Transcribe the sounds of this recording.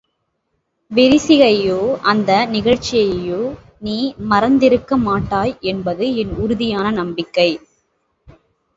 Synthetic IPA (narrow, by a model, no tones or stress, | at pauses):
ʋɛɾɪsɪɣɐjoːʔɐnd̪ɐnɪɣɐɻt͡ʃːɪjɐjoː | niːmɐɾɐnd̪ɪɾɯkːɐmaːʈːaːjɛnbɐðɯɛnʊɾʊðɪjaːnɐnɐmbɪkːɐɪ